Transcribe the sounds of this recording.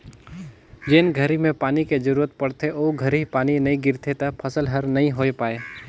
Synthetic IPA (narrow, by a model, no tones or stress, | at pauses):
d͡ʒeːnɡʱəɾimẽpaːniked͡ʒəɾuːɾət̪̚pɐɽ̤t̪eʔoːɡʱəɾɦipaːninɐɦĩɡɪɾt̪ʰet̪ɐpʰɐsəlɦəɾnɐɦĩɦoːepaːeː